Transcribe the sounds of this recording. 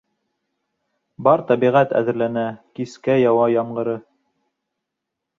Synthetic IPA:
bɑɾt̪ɑbiʁæt̪æ̰ðɘ̆ɾlænækiskæjɑwɑjɑɴɢɤ̆ɾɤ

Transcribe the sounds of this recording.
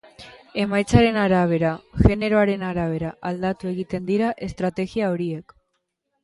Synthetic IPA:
e̞majt͡saɾe̞naɾaβ̞e̞ɾaʝe̞ne̞ɾo̞aɾe̞naɾaβ̞e̞ɾaʔald̪at̪ue̞ɣit̪e̞nd̪iɾaʔe̞st̪ɾat̪e̞ɣiao̞ɾie̞k

